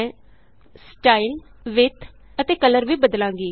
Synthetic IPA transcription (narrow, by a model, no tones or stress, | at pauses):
sʈaːil | ʋɪt̪ʰ | ət̪eːkələɾʋiːbəd̪lãːŋɡiː